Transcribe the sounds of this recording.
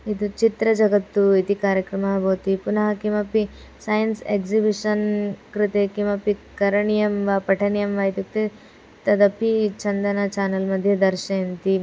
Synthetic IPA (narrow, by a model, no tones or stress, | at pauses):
id̪ut͡ʃit̪ɾɐd͡ʒɐɡɐt̪ːuit̪ikaːɾjɐkɾɐmɐɦɐboːt̪ipunɐɦɐkimɐpi | sɐjɐnsekzibiʂɐnkɾit̪ekimɐpikɐɾɐɳijɐmʋapɐʈʰɐnijɐmʋaːjt̪juk̚t̪e | t̪ɐd̪ɐpit͡ʃɐnd̪ɐnɐt͡ʃaːnɐlmɐd̪ʱjɐd̪ɐɾʃɐjɐnt̪i